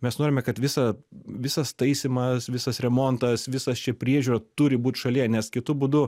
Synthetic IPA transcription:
mʲɛsnoːɾʲɪmʲɛkɐt̪ʋʲɪsɐʋʲɪsɐst̪ɐɪsʲɪmɐsʋʲɪsɐsɾʲɛmoːnt̪ɐsʋʲɪsɐst͡ʃʲɛpʲɾʲiɛʒʲuːɾɐt̪ʊɾʲɪbuːt̪ʲʃɐlʲiɛnʲɛskʲɪt̪ʊbʊːd̪ʊ

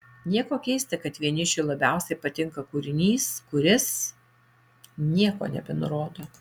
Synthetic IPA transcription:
nʲiɛkoːkʲɛɪsʲt̪ʲɪkɐt̪ʋʲiɛnʲɪt͡ʃʲʊlˠɐbʲɛˑʊsʲɛɪpɐt̪ʲɪŋkɐkuːɾʲɪnʲiːskʊɾʲɪs | nʲiɛko̰ːnʲɛ̰bʲɛnʊɾoːd̪oː

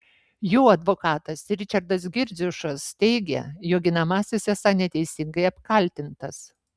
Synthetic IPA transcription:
juːɐd̪ʋokɑːt̪ɐsɾʲɪt͡ʃʲɐɾd̪ɐs̬ɡʲɪɾʲd͡z̪ʲʊʃɐst̪ʲɛɪɡʲɛ̰joːk̚ɡʲɪnɐmɑːsʲɪsʲɛsɐnʲɛt̪ʲɛɪsʲɪŋɡɐɪɐpkɐlʲt̪ʲɪnt̪ɐs

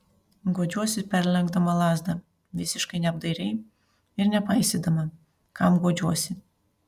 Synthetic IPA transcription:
ɡoːd͡ʒʲuɔsʲɪpʲɛɾʲlʲɛŋɡd̪ɐmɐlˠɑːzd̪ɐ | ʋʲɪsʲɪʃkɐɪnʲɛɐb̚d̪ɐɪɾʲɛɪ | ɪɾnʲɛpɐɪsʲed̪ɐmɐ | kɐmɡoːd͡ʒʲuɔsʲɪ

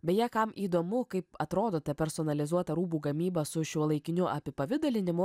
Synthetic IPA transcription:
bʲɛjɛːkɐmiːd̪oːmʊkɐɪpɐt̪ɾoːd̪oːt̪ʲɐpʲɛɾsoːnɐlʲɪzuɔt̪ɐɾuːbuːɡɐmʲiːbɐsʊʃʲuɔlˠɐɪkʲɪnʲʊʔɐpʲɪpɐʋʲɪd̪ɐlʲɪnʲɪmʊ

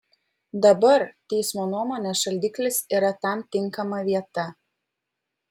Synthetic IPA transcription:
d̪ɐbɐɾt̪ʲɛɪsmoːnuɔmoːnʲesʃɐlʲd̪ʲiɪːklʲɪsiːɾɐt̪ɐˑmt̪ʲɪŋˑkɐmɐʋʲiɛt̪ɐ

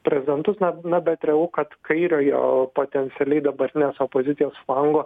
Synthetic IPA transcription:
pʲɾʲɛzʲɪd̪ʲɛnt̪ʊsnɐnɐbʲɛt̪ɾʲɛjukɐt̪kɐɪɾʲoːjo̰ːpoːt̪ʲɛnʲt̪sʲɪɛlʲɛɪd̪ɐbɐɾʲt̪ʲɪnʲeːsoːpoːzʲɪt̪sʲijoːsflˠɐŋɡoː

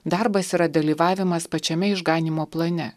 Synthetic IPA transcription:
d̪ɑˑɾbɐsiːɾɐd̪ɐlʲiːʋɑːʋʲɪmɐspɐt͡ʃʲɛmʲɛɪʒɡɑːnʲiːmoːplˠɐnʲɛ

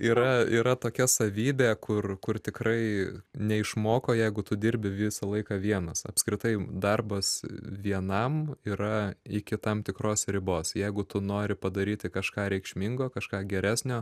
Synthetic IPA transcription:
iːɾɐiːɾɐt̪oːkʲɛsɐʋʲiːbʲeːkʰʊrkʊrt̪ʲɪkrɐɪnʲɛɪʃmoːkoːjɛɪɡʊt̪ʊd̪ʲɪɾʲbʲɪʋʲɪsɐlˠɐɪkɑːʋʲiɛnɐsɐ̰pskɾʲɪt̪ɐɪd̪ɐrbɐsʋʲiɛnɐmiːɾɐɪkʲɪt̪ɐmt̪ʲɪkroːsɾʲɪboːsjɛɪɡʊt̪ʊnoːɾʲɪpɐd̪ɐɾʲiːt̪ʲɪkɐʃkɑːɾʲɛɪkʃʲmʲɪŋɡoːkɐʃkɑːɡʲɛɾʲæːsʲnʲoː

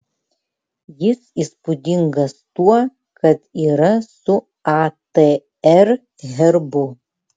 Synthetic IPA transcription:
jɪsiːspʊd̪ʲɪŋɡɐst̪uɔ | kɐt̪iːɾɐsʊ | at̪e | ɛr | ɦʲɛɾbʊ

